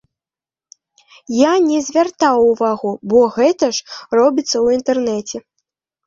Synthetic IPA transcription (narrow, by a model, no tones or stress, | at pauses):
janʲɛzʲvʲart̪awuvaɣubɔɣɛt̪ɐʂrɔbʲit̪sːɐwint̪ɛrnɛt͡sʲɛ